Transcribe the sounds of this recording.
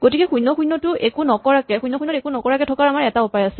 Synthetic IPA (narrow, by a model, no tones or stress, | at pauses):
ɡ̥otikɛxujnːɔxunːɔtʊʔekunɔkɔɹakɛxujnːɔxunɔtekunɔkɔɹakɛtʰɔkaɹamaɹɛtaupajasɛ